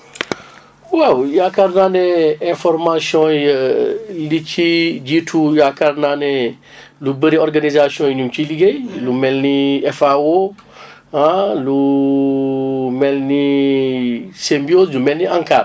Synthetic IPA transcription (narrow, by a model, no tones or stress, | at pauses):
wawjakaɾnanɛɛ̃fɔɾmasiɔ̃j | liciɟitʰujakaɾnanɛ | lubəɾiɔɾɡanizasiɔ̃jɲumt͡ʃiliɡejlumɛlniɛfao | hãlu | mɛlni | sembioslumɛlniãŋkaːɾ